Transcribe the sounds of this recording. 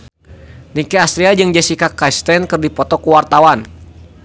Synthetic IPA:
nikɛast̪ɾiad͡ʒɨŋd͡ʒɛsikakast̪ɛnkɨrdipɔt̪ɔkuwart̪awan

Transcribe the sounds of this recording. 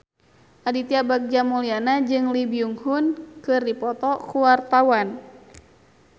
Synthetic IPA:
ʔadit̪iabak̚d͡ʒamulianad͡ʒɨŋlibiuŋhunkɨrdipɔt̪ɔkuwart̪awan

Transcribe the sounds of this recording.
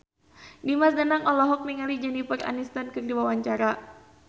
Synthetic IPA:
dimas̬danaŋɔlɔɦɔk̚miŋalid͡ʒanipəra̰nist̪ankɨrdiwawaɲt͡ʃaɾa

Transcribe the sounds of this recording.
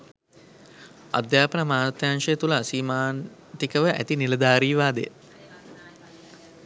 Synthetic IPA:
a̰d̪jaːpənəmaːt̪janʃəjt̪uləːsiːmaːn | t̪ikəʋəʔæ̰t̪iniləd̪aːɾiːʋaːd̪ḛ

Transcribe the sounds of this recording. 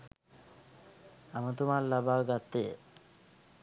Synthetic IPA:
amat̪umalːabaɡat̪ːe

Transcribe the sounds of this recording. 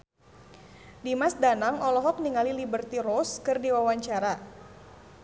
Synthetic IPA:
dimasdanaŋɔlɔɦɔk̚niŋalilibərt̪iɾoskərdiwawaɲt͡ʃaɾa

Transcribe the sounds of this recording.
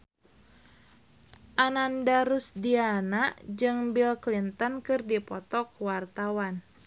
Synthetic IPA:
ʔanandaɾusdianaʔd͡ʒɨŋbilklint̪ɔnkɨrdipɔt̪ɔkwart̪awan

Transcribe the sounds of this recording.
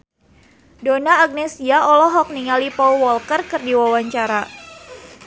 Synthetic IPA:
donaːɡ̚nɛsiaʔɔlɔɦɔk̚niŋalipɔlwɔlkərkɨrdiwawaɲt͡ʃaɾa

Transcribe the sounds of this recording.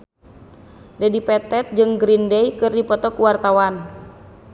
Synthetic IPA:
dɛdipɛt̪ɛt̪̚d͡ʒɨŋɡɾindɛjkɨrdipɔt̪ɔkuwart̪awan

